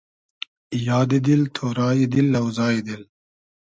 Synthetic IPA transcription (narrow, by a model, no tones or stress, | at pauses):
jaːd̪id̪ilt̪ʰoːɾɑːid̪ilːɐwzɑːid̪il